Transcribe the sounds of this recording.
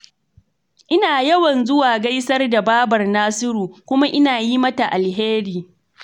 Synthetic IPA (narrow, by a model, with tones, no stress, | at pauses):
ʔɪ˦naː˨jɐ˦wɐ˨nzʊ˦waː˨ɡa˦jsɐ˦rda˨baː˦bɐ˨rnaː˦sɪ˦ɾuː˨kʷʊ˦ma˦ʔɪ˦naː˨ji˦mɐ˦ta˨ʔa˨lɦeː˦ɾiː˨